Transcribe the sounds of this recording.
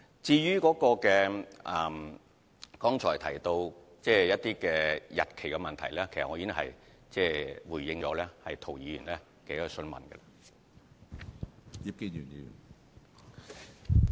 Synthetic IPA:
t͡siː˧jyː˥kɔː˨˥kɔː˧kɛː˧ʔɐ˨m | kɔː˥ŋt͡sʰɔː˨˩t̪ʰɐ˨˩jt̪o˧w | t͡sɛː˥˩jɐ˥t̚t̪iː˥kɛː˧jɐ̰˨t̚kʰe˨˩jkɛ˧mɐ˨nt̪ʰɐ˨˩jlɛː˥kʰe˨˩sɐ˨t̚ŋɔ˧˥iː˧˥n˥hɐ̰˨j | t͡sɛː˥˩wuː˨˩jjɪ˧ŋt͡ʃɔː˨˥lɛː˥hɐ˨jt̪ʰo˨˩wjiː˨˧jyː˨˩nlɛː˥ | kɛ˨˥jsɵ˥˩nmɐ̰˨nɡɛ̰˧lɐ˧ | ji˨˧p̚ke˧˥yː˨˩njiː˨˧˥j̰n

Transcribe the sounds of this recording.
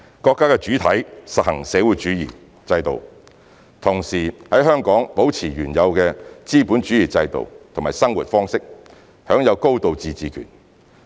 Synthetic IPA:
kɔː˧kːaː˥kɛ˧t͡ʃyː˨˥t̪ʰɐ˨˥jsɐ˨t̚hɐ˨˩ŋsɛː˨˥wu˨˥jt͡ʃyː˨˧˥jiː˨˩ | t͡sɐ˧jt̪o̰˨w | t̪ʰʊ˨˩ŋsiː˨˩hɐ˨˥jɦœː˥ŋkɔː˨˥ŋpo˨˥wt͡sʰiː˨˩ɥyː˨˩njɐ˨˧wkɛː˧t͡siː˥puː˨˥nt͡ʃy˨˥jiː˨˩t͡sɐ˧jt̪o̰˨wt̪ʰŋmaː˨˩sɐ˥ŋwuː˨t̚fɔː˥ŋsɪ˥k̚ | hœː˨˥ŋjɐ˨˧wko˥wt̪o˨wt͡siː˨˧t͡siː˨kʰy̰ː˨˩n

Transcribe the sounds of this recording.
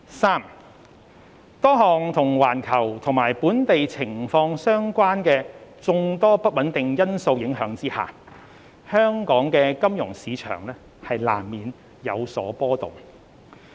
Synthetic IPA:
saː˥m | t̪ɔː˥ɦɔː˨ŋt̪ʰʊ˨˩ŋwaː˨˩nkʰɐ˨˩wt̪ʰʊ˨˩ŋmaː˨˩jpuː˨˥nt̪e˨jt͡sʰɪ˨˩ŋfɔː˧ŋsœː˥ŋkʷwaː˥nkɛː˧t͡sʊ˧ŋt̪ɔː˥pɐ˥t̚wɐ˨˥nt̪ɪ˨ŋjɐ˥nso˧wjɪ˨˥ŋɦœː˨˥ŋt͡siː˥ha̰ː˨ | hœː˥ŋkɔː˨˥ŋkɛː˧kɐ˥mjʊ˨˩ŋsiː˨˧t͡ʃʰœ̰ː˨˩ŋlɛː˥ | hɐ˨jla̰ː˨˩mːiː˨n | jɐ˨˧wsɔ̰ː˨˥pɔː˥t̪ʊ̰˨˩ŋ

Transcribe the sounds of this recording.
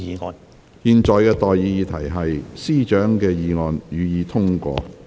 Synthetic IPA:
iː˨˧ŋɔː˨˧n | hiː˧nt͡ʃɔː˨jkɛː˧t̪ɔː˨jjiː˨˧jiː˧t̪ʰɐ˨˩jɦɐ˨jsiː˥t͡ʃœː˨˥ŋkɛː˧jiː˨˧ŋɔː˨njyː˨˧jiː˨˧t̪ʰʊ˥ŋkʷɔ̰ː˧

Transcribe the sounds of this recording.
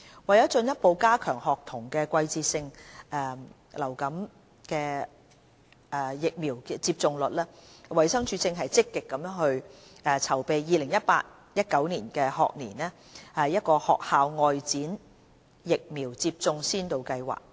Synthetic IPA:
wɐ˨jɐ˨˥wt͡ʃɵ˧njɐ˥t̚po˧wkaː˥kʰœː˨˩ŋhɔː˨k̚t̪ʰʊ˨˩ŋkɛː˧kʷɐ˧jt͡siː˧t̚sɪ˧ŋʔɛː˧ | lɐ˨˩wkɐ˨˥m | kɛː˧ | ʔɛː˨jɪ˨k̚miː˨˩wkːt͡siː˧p̚t͡sʊ˧ŋlɵ˨t̚lɛː˥wɐ˨jsɐ˥ŋt͡ʃʰyː˧t͡sɪ˧ŋɦɐ˨jt͡sɪ˥kːɪ˨kːɐ˨˧˥mjœː˨˥ŋɦɵ˧ɥʔɛː˨t͡sʰɐ˨˩wpe˨jjiː˨˧lɪ˨˩ŋjɐ˥t̚pa̰ː˧t̚ | jɐ˥t̚kɐ˨˥wniː˨˩nkɛː˧hɔ̰ː˨k̚niː˨˩nɛː˥ | hɐ˨jːɐ˥t̚kɔː˧hɔ̰ː˨k̚haː˨˧wŋɔː˨jt͡siː˨˥n | jɪ˨k̚miː˨˩wt͡siː˧p̚t͡sʊ˧ŋsiː˥nt̪o˨˧wkɐ˧jwa̰ː˨k̚

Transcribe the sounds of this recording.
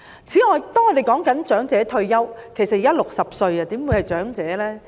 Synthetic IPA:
t͡sʰiː˨˥ŋɔː˨˧jt̪ɔː˥ŋɔː˨˧˥d̪e˨˩jkɔː˨˥ŋkɐ˨˥nt͡ʃœː˨˥ŋt͡sɛː˨˥t̪ʰɵ˧ɥjɐ˥wkʰe˨˩sɐ˨t̚ji˨˥ɐ˥lʊ˨k̚sɐ˨p̚sɵ˧ɥɐ˧t̪iː˨˥mwuː˨˧˥jhɐ˨˩jt͡ʃœː˨˥ŋt͡sɛː˨˥lɛː˥

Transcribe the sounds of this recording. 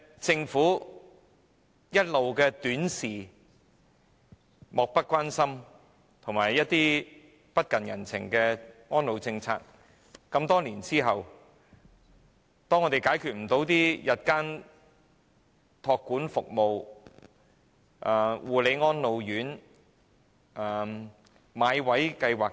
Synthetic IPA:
t͡sɪ˧ŋfuː˨˥ | jɐ˥t̚lo˨wkɛː˧t̪yː˨˥nsiː˨˩ | mɔː˨˩k̚pɐ˥t̚kʷwaː˥nsɐ˥m | t̪ʰʊ˨˩ŋmaː˨˩jːɐ˥t̚t̪iː˥ | pɐ˥t̚kɐ˨njɐ̰˨˩nt͡sʰɪ̰˨˩ŋkɛː˧ŋɔː˥nlo˨˧wt͡sɪ˧ŋt͡sʰa̰ː˧k̚ | kɐ˧mt̪ɔː˥liː˨˩nt͡siː˥ɦɐ˨w | t̪ɔː˥ŋɔ˨˧t̪e˨jkaː˨˥jkʰyː˨t̚m̩˨˩t̪o˨˥wt̪iː˥jɐ˨t̚kaː˥n | t̪ʰɔː˧kːuː˨˥nfʊ˨k̚mo˨˧w | ʔaː˨wuː˨˩le˨˧jŋɔː˥nlo˨˧wjyː˨˥n | aː˨ | maː˨˧jwɐ˨˥jkɐ˧jwaː˨k̚

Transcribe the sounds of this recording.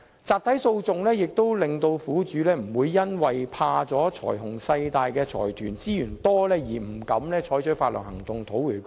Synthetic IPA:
t͡saː˧p̚t̪ʰɐ˨˥jso˧wt͡sʊ˨ŋlɛː˥jɪ˨k̚t̪o˥wlɪ˨ŋt̪o˧wfuː˨˥t͡ʃyː˨˥lɛː˥m̩˨˩wuː˨˧jːɐ˥nwɐ˨jpʰaː˧t͡sɔː˨˥t͡ʃʰɔ̰ː˨˩jɦʊ˨˩ŋsɐ˧jt̪aː˨jkɛː˧t͡ʃʰɔ̰ː˨˩jt̪ʰyː˨˩nt͡siː˥jyː˨˩nt̪ɔː˥lɛː˥jiː˨˩m̩˨˩kɐ˨˧˥mlɛː˥t͡ʃʰɔː˨˥jt͡ʃʰɵ˨˥faː˧t̚lœ̰ː˨˩hɐ˨˩ŋt̪ʊ˨ŋt̪ʰo˨˥wyː˨˩k

